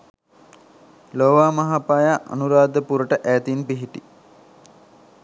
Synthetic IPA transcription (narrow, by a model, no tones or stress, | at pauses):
loːʋaːmɐɦapaːjaʔa̰nuɾaːd̪əpuɾəʈəʔæːt̪inpiɦiʈi